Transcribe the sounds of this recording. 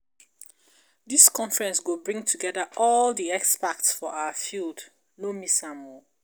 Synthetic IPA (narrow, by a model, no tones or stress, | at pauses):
ðiskʰɔ̃ɱfəɹɛ̃nsɡobɹĩŋtʰuɡɛðaʔɔldiɛkspak̚tsfɔʔawəfild | nomisãmɔ